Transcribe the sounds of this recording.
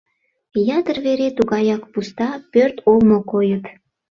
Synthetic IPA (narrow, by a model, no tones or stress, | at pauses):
jɑt̪ərβeɾet̪uɣɑjɑkpust̪ɑpørt̪olmokojət̪